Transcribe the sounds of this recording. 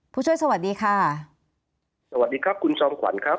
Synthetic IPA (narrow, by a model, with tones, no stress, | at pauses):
pʰuː˥˩t͡ɕʰə˨jsa˧wa˨˩t̪̚diː˧kʰaː˧˩ | sa˧wa˨˩t̚diː˧kʰa˦˥p̚kʰu˧nt͡ɕʰɔː˧mkʰwa̰˩˦nkʰɾa˦˥